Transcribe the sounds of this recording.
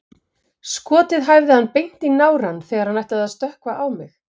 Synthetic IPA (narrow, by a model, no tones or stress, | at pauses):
skɔːt̪ɪðɦajvðɪhanːpejn̥t̪inaːwɾanθɛːɣaɾ̥hanajht̪aðaðst̪œhkvaʔawmɪx